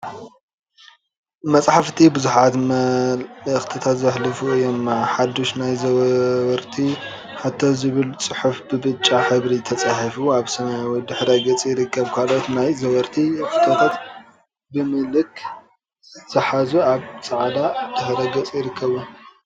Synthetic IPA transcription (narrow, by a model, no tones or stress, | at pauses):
mɐt͡sʼħaft̪ʰibɨzuħat̪ | xʼt̪ʰɐt̪ʰat̪zɐħlɨfuɨjːomːaħad̪oʃnajzɐwɐɾt̪ʰi | ħat̪ʰːozɨβɨlt͡sʼɨħufbɨbɨt͡ʃʼːaħɨβɾit̪ʰɐt͡sʼaħɐfuaβsɐmajwɔjd̪ɨħɾɐɡɐt͡sʼijɪɾɨkʰːɐβkʰalot̪najzɐwɐɾt̪ʰixt̪ʰɐt̪ʰat̪ | bɨmɨlɨkʰ | z̥ɨħazuaβt͡sʼaʕd̪ad̪̥ɨħɾɐɡɐt͡sʼjɪɾɨkʰːɐβu